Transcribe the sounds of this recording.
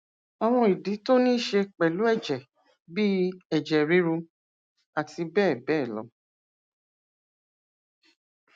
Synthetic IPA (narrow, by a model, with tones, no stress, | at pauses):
a˨w̃ɔ̃˧i˨di˨˦to˦nĩ˦ʃe˧k͡pɛ˨lu˨˦ɛ˦˨d͡ʒɛ˨ | bi˦ɛ˨d͡ʒɛ˨ɾi˧˦ɾu˧ | a˨ti˧bɛː˦˨bɛː˦˨lɔ̰˨˦